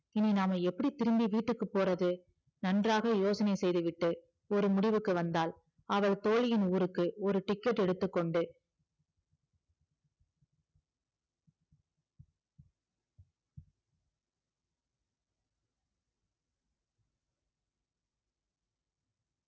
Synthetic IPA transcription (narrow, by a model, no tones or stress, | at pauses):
ɪninaːmɐɛpːɐɽit̪ːɪɾɯmbiʋiːʈːɯkːɯpːoːɾɐðɯ | nɐndraːɣɐjoːsɐnɐɪsɛjðɯʋɪʈːɯ | ɔɾɯmʊɽɪʋɯkːɯʋɐnd̪aːl | ɐʋɐɭt̪oːɻɪjɪnuːɾɯkːɯɔɾɯʈɪkːɛʈːɛɽɯt̪ːɯkːɔɳɖɯ